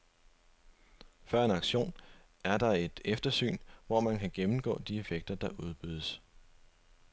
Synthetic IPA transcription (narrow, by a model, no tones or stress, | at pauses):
fɶɐe̝nɑ̈ɡ̥ɕo̝̰ːn | æɐd̥ɑ̈e̝d̥efd̥ɐsy̰ːnʋɒmænkʰæɡ̥emm̩ɡ̥ɔ̰̽ːd̥ie̝feɡ̥̚d̥ɐd̥ɑ̈ʔuð̞ˠb̥yð̞̰ˠəs